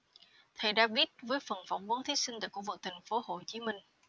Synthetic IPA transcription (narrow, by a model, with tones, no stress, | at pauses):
t̪ʰə˨˩jɗa̰ː˧˥ɓi˦˥t̚vəː˨˦jfə˨˩nfa˧˩wŋ͡mvə˨˦nt̪ʰi˨˦si˧ŋ̟t̪a̰ː˨˧˩jku˧˩kvɨ˨˩k̚t̪ʰa˨˩ŋ̟fo˨˦ho˧˨˩t͡ɕi˨˦mï˧ŋ̟